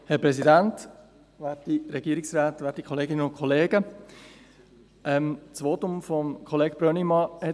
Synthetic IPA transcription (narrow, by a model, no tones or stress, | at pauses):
hɛɾpɾɛsidænt | ʋæːtiɾɛɡiːəɾiksɾaːtʋɛːtikʰoleːɡɪnənʊnkʰɔleːɡə | ʔɛmt͡sʋoːtʊmfɔmkʰoleːɡ̥b̥ɾønimɑhɛ